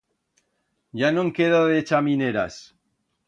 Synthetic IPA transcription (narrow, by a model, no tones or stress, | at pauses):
ʝanõŋkeðoðet͡ʃamineɾa̰s